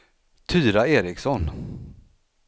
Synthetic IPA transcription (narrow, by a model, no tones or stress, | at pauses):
t̪ʰyːɾaeːɾɪksɔn